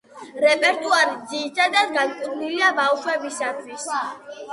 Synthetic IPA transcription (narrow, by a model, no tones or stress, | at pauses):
ɾɛpʼɛɾt̪ʼuaɾid̪ziːsad̪aɡankʼuɾniliabafʃwɛbisat̪ʰwis